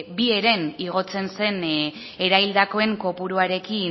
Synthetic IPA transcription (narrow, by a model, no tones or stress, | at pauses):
bie̞ɾe̞niɣ̞o̞t͡se̞nse̞n | e̞ɾaild̪ako̞e̞ŋko̞puɾuaɾe̞ki